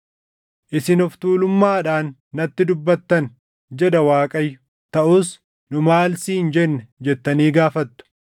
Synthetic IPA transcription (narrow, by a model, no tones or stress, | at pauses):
ʔɪsɪnɔft̪uːlʊmːaːᶑaːnːɐt̪ːɪd̪ʊbːɐt̪ːɐn | d͡ʒɛd̪ɐwaːkʼɐjːʊ̥ | t̪ɐʔuːs | nʊmaːlsiːnd͡ʒɛnːɛd͡ʒɛt̪ːɐniːɡaːfɐt̪ːʊ̥